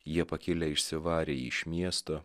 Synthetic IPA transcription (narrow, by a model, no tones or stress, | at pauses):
jiɛpɐkʲɪlʲɛɪʃʲsʲɪʋɑːɾʲeɪʃʲmʲiɛst̪oː